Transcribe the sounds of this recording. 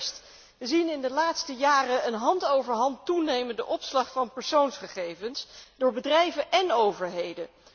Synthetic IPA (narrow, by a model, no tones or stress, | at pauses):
st | ʋəzinɪndəlaːtstəjaːrəənɦɑntowvəɹɦɑntunejməndəʔɔpslɑχfɑnpəɹsownsχəχejvənsdʊːɹbədrɛjvəʔɛnowvəɹɦejdə